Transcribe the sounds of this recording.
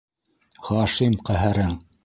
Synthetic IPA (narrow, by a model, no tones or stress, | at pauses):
χɑʃimqæɦæɾɘŋ